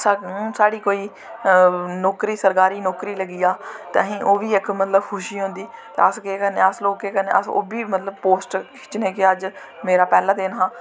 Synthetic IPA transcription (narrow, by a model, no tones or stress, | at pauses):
sasaːɽiːkoːiː | nɔːkɾiːsəɾkaːɾiːnɔːkɾiːləɡiːaːt̪ḛɦĩːʔoːʋiːɪkmət̪ləbkʰʊʃiːɦʊ̃nd̪iːt̪eəsɡeːkəneːəsloːkːeːkənḛːə̰so̰ːbiːmət̪ləbpoːsʈkʰɪ̥ːt͡ʃneːkɪəd͡ʒ | meːɾaːpɛːlãːd̪eːnɦãː